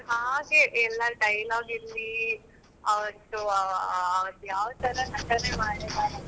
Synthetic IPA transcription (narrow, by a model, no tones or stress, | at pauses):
ɦaːɡeʔɛlːɐɖɐjlaːɡiɾli | ɐʋɐnt̪ːuɐːʋɐt̪ːujaːʋt̪ɐɾɐnɐʈːɐnemaːɽebaːɾ